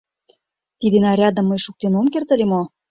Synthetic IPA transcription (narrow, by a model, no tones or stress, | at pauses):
t̪id̪enɑɾʲɑd̪ə̆mːəjʃuk̚t̪enomkert̪ə̆lʲemo